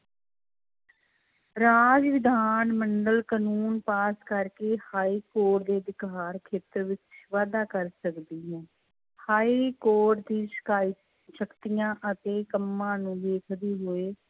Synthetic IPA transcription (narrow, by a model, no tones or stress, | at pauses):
ɾaːd͡ʒʋɪd̪ʱaːnməɳɖəlkənuːnpaːskəɾkeːhaːiːkoːʈ̚d̪eːd̪ɪkaːɾkʰeːt̪əɾʋɪt͡ʃʋaːd̪aːkəɾsəkd̪iːɦɛ̃ː | haːiːkoːʈ̚d̪iːʃə̥kaːiː | ʃəkt̪ijãːʔət̪eːkəmːãːnũːd̪eːkʰd̪eːɦoːeː